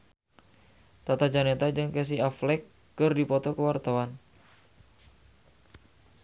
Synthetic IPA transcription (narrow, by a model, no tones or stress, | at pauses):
t̪at̪ad͡ʒanet̪ad͡ʒɨŋkɛs̬iaflɛkː | ɨrdipɔt̪ɔkəwart̪awan